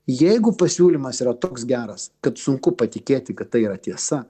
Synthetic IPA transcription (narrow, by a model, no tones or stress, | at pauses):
jɛɪɡʊpɐsʲuːlʲimɐsiːɾɐt̪oːksɡʲæːɾɐskɐt̪sʊŋkʊpɐt̪ʲɪkʲeːt̪ʲɪkɐt̪̚ːɐɪiːɾɐt̪ʲiɛsɐ